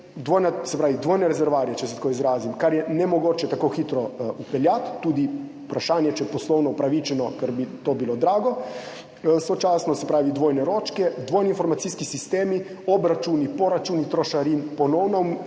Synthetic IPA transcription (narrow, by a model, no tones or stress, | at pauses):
d̪ʋoːjnasɛpɾaːʋid̪ʋoːjnɛɾɛzɛɾʋaːɾiɛt͡ʃɛsɛt̪akoːizɾaːzimkaɾjɛnɛmɔɡoːt͡ʃɛt̪akoːxit̪ɾɔupɛljat̪ːuːd̪iupɾaʃaːnjɛt͡ʃɛɛpɔslɔwnɔupɾaʋit͡ʃɛnɔkɛɾbit̪oːbilod̪ɾaːɡɔ | sot͡ʃaːsnɔsɛpɾaːʋid̪ʋoːjnɛɾoːt͡ʃkɛd̪ʋoːjninfɔɾmat̪siskisist̪eːmi | ɔbɾat͡ʃuːnipɔɾat͡ʃuːnit̪ɾɔʃaɾinpɔnɔwnɔm